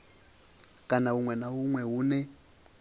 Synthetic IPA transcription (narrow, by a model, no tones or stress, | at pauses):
kʼanaɦuŋwɛnaɦuŋwɛɦunɛ